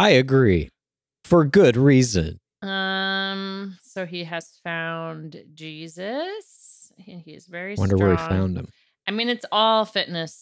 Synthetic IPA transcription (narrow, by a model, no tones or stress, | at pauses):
aɪɨɡɹi | fə˞ɡʊd̚ɹizɨ̰̃n | ʌ̃msoʊiɨz̥fãʊ̃ndd͡ʒizɨsɨ̃niɨ̰zvɛɹiwʌ̰̃də˞wə˞ifãʊ̃ndɨ̰̃m | aɪmĩnɨtsɔlˠfɪʔⁿnɨs